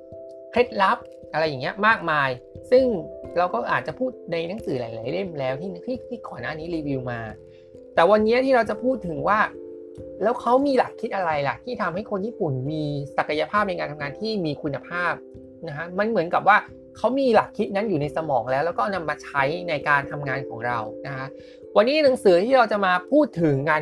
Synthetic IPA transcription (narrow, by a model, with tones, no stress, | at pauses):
kʰe˦˥t̪̚la˦˥p̚ | ʔa˧ɾa˧jːa˨˩ŋːi˦ɐmaː˥˩k̚maː˧jsɯ˥˩ŋɾa˧wkɔː˥˩ʔaː˨˩t̪̚t͡ɕa˨˩pʰuː˥˩t̪̚na˧jna˦˥ŋsɯː˩˦laː˩˦jlaː˨˩˦jle˥˩mlɛː˦˥wt̪ʰiː˥˩n˦˥t̪ʰiː˥˩kʰi˦˥˩kʰɔː˨˩naː˥˩niː˦˥liː˧wi˧wmaː˧ | t̪ɛː˨˩wa˧nːi˦˥ɐt̪ʰiː˥˩ɾa˧wt͡ɕa˨˩pʰuː˥˩t̪ʰːɯ˩˦ŋwaː˥˩ | lɛː˦˥wkʰa˦˥wmiː˧la˨˩kʰːi˦˥t̪̚ʔa˧ɾa˧jla̰˨˩t̪ʰiː˥˩t̪ʰa˧mha˥˩jkʰo˧njiː˥˩pu˨˩nmiː˧sa˨˩ka˧ja˧pʰaː˥˩p̚na˧jkaː˧nt̪ʰa˧ŋaː˧nt̪ʰiː˥˩miː˧kʰu˧nːa˧pʰaː˥˩p̚ | na˦˥kʰa˦˥ma˧nmɯ˩˦nka˨˩p̚waː˥˩ | kʰa˦˥wmiː˧la˨˩kʰːi˦˥t̪̚na˦˥njuː˨˩na˧jsa˧mɔː˩˦ŋlɛː˦wlɛː˦˥wkɔː˥˩na˧mːaː˧t͡ɕʰa˦˥jna˧jkaː˧nt̪ʰa˧mŋaː˧nkʰɔː˩˦ŋɾa˧wna˦˥kʰa˦˥ʔ | wa˧nːi˦˥˨na˩˦ŋsɯː˨˩˦t̪ʰiː˥˩ɾa˧wt͡ɕa˨˩maː˧pʰuː˥˩t̪ʰːɯ˩˦ŋːaː˧